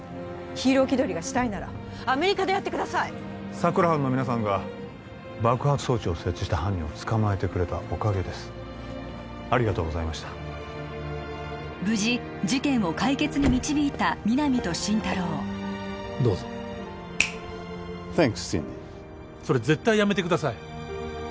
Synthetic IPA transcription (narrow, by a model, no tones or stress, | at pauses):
çiːɾo̞ːkʲid̪o̞ɾʲiɡaɕi̥t̪ainaɾa̰ | ame̞ɾʲikad̪ejat̪ːekɯ̟d̪asai | sakɯ̟ɾahãnːo̞mʲinas̬ãŋɡa | bakɯ̟hat͡sɨ̥so̞ːt͡ɕio̞se̞t͡ɕːi̥ɕi̥t̪aɦãɲ̟ːĩot͡sɨ̥kamae̞t̪e̞kɯ̟ɾe̞t̪aʔo̞kaɡe̞d̪e̞sɨ̥ | aɾʲiɡat̪o̞ːɡo̞zaimaɕi̥t̪ḁ | bɯ̟ʑi | d͡ʑikẽ̞ɰ̃o̞kaike̞t͡sɨɲ̟imʲit͡ɕibʲiːt̪amʲinamʲit̪o̞ɕĩnt̪aɾo̞ː | d̪o̞ːzo | t̪ẽŋksḭ̃nḭ | so̞ɾeze̞t̪ːaijame̞t̪ekɯ̟d̪asai